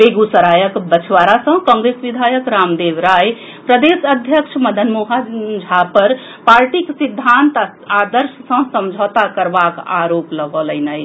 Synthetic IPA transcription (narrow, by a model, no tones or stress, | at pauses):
beɡusəɾajəkbət͡ʃʰwaɾasə̃ɦkɔ̃ːŋɡɾesʋid̪ʱajəkɾamd̪eʋɾaj | pɾəd̪esəd̪ʱjəkʃʰməd̪ʱənmuɦad͡ʒʱapəɾ | paɾʈiksid̪ʱːant̪ | ad̪əɾssə̃səmd͡ʒʱət̪akəɾbaka̰ɾopləɡələjnəj